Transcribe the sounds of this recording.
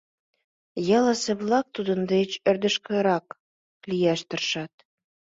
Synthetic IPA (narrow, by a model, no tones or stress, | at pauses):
jɑlɑsĕβlɑk̚t̪ud̪ə̆nd̪et͡ɕø̆rd̪ə̆ʃkɤ̆ɾɑk | lijæʃt̪ə̆rʃɑt̪̚